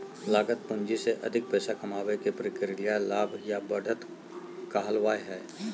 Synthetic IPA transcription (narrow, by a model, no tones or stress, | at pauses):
laːɡət̪pʊ̃ɲd͡ʒiseʔɐ̰d̪ʱɪk̚pɛːsakɐmaːwekepɾɪkɪɾɪlɪjalaːbʱjabɐɽʱət̪ | kaːɦəlʋaːeɦɛː